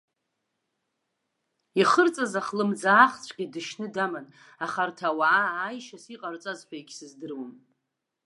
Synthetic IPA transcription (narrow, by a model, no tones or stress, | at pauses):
iχərt͡sʼazaχlɨmd͡zaːχt͡sʷʰɡʲidɨʃnɨdaman | aχartʰawaaaːjʃasiqʼart͡sʼazħʷᶣajɡʲsɨzdɨrwam